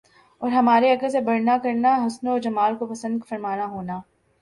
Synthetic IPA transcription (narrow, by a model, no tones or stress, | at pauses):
ɔːɾɦɐmaːɾeɐɡəɾsebɐɽnakɐɾnaɦʊsnoɔːɾd͡ʒɐmaːlkopɐsə̃nd̪̚kfɐɾmaːnaɦoːnaː